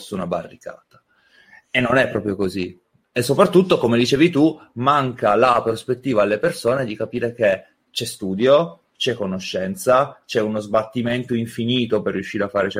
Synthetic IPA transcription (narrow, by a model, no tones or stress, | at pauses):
sunaba̰rːika̰ːt̪ḁ | enːonɛpːɾɔːpɾjokozi | esːopɾat̪ːut̪ːokomed̪it͡ʃeːvit̪umaŋkalapɾospet̪ːiːvaːlːepersoːned̪ikapiːɾek̟e | t͡ʃɛst̪uːd̪jo | t͡ʃɛkːonoʃːɛnt̪sat͡ʃɛunozbat̪ːiment̪oiɱfiniːt̪operːjuʃːiːɾeafːaːɾet͡ʃɛ